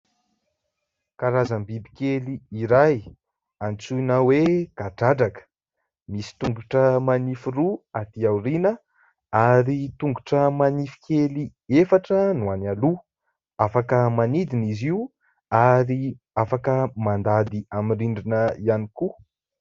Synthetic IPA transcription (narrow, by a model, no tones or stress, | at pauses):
kaɾazəmbibikeliiɾaj | ant͡suinaweɡ̥aɖ͡ʐaɖ͡ʐakə̥ | misi̥t̪uŋɡuʈ͡ʂəmanifiruat̪iawɾinə | aɾit̪uŋɡuʈ͡ʂəmanifi̥keliefaʈ͡ʂənuanalu | afakəmanid̪iniziu | aɾi | afakəmand̪ad̪iamiriɳɖ͡ʐinəianiku